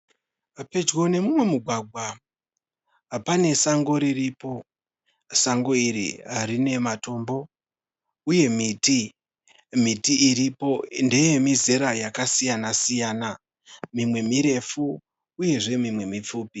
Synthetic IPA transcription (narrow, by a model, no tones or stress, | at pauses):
ape̞d͡ʒɣo̞ne̞mumwe̞muɡʱwaɡʱwa | apane̞saŋɡo̞ɾiripo̞ | saŋɡo̞iɾḭɦarine̞mato̞mbo̞ | uje̞miti | mitiːɾipo̞nde̞je̞mizeɾajakasijanasijana | mimwe̞miɾe̞fuː | je̞ʐe̞mimwe̞mip͡fuːpi